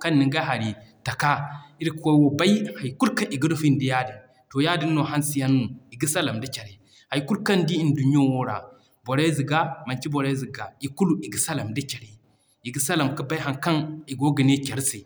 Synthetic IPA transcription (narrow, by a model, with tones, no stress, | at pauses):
ka˦nːi˨ŋɡa˦ɦa˨ɾi˨ta˨ka˦i˦ɾi˦ko˦wo˨ba˦i˦ha˨jku˦lka˦ʔi˨ɡə˦du˦fi˦n˦di˦ja˦di˨ | to˨ja˦di˦nː˦o˨ɦa˦nsi˦ja˦nːu˨i˨ɡi˦sa˦la˨mdi˦t͡ʃe˨ɾe˨ | ha˨jku˦lka˦ndi˦i˦˨ndu˨ni˦o˦wo˦ɾa̰˨ | bo˨ɾe˦zi˨ɡa˦ma˨nt͡ʃi˦bo˨ɾe˦zi˨ɡa˨i˨ku˦lu˦ʔi˨ɡi˨sa˦la˨mdi˦t͡ʃe˨ɾe˨ | i˨ɡi˦sa˦la˨mkə˦ba˦ɦa˨ŋka˦ni˨ɡo˦ɡə˨ne˦kʲe˨ɾsi˨